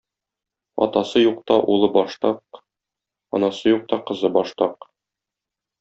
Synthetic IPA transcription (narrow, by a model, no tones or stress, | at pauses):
ɒ̰t̪ɑsɤjuq̚t̪ɑʔulˠɤbɒʃt̪ɑq | ɒ̰nɑsɤjuq̚t̪ɑqɤ̆zɤbɒʃt̪ɑq